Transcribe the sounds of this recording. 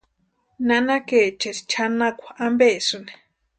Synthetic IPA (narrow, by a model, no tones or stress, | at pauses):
nanaket͡ʃesi̥t͡ʃʰanakʷḁʔambesune̥